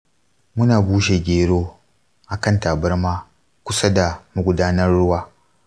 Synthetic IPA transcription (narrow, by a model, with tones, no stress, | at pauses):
mʊ˦naː˨buː˦ʃe˨ɡʲeː˨ɽoː˦ | ʔa˨kɐ˦ntaː˨bɐ˦rmaː˦ | kʷʊ˦sa˦da˨mu˦ɡʷʊ˨daː˦nɐ˦rːʊ˦waː˨